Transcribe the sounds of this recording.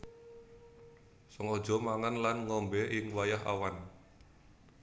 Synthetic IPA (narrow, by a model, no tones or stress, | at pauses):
sɔŋo̥d͡ʒɔ̤maŋanlanŋɔmbɛʔɪŋwajaɦa̰wan